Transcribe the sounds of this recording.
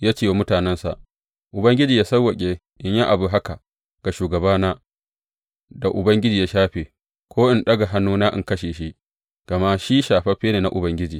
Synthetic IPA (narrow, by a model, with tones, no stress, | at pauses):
jaː˦t͡ʃeː˦˨wo˦mʊ˦taː˨nɛ˦nsa̰˨ʔ | ʔʊ˨bɐ˦ŋɡʲɪ˦d͡ʒiː˨jaː˦sɐ˦wɐ˨kʲʼe˦ | ʔɪ˦ɲji˦ʔa˨bu˨ɦa˦ka˨ | ɡ̥a˨ʃuː˨ɡɐ˨baː˦naː˦ | da˨ʔʊ˨bɐ˦ŋɡʲɪ˦d͡ʒiː˨jaː˦ʃaː˦ɸeː˨ | kʷoː˦ʔɪ˨nɗɐ˦ɡa˨ɦa˦nːuː˦naː˦ʔɪ̰˨ŋkɐ˦ʃeː˨ʃi˦ʔ | ɡ̥ɐ˨ma˦ʃiː˦ʃaː˨ɸɐ˦ɸeː˦neː˨na̰˦˨ʔʊ˨bɐ˦ŋɡʲɪ˦d͡ʒiː˨